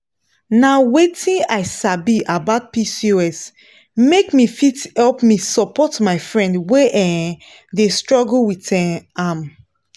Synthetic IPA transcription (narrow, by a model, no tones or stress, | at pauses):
nawetʰĩnaɪsabiʔabaʊt̚pisioɛs | mekmifithɛlpmisɔpɔtmaɪfɹɛ̃ndweʔɛ | destɹɔɡl̩witɛ̃am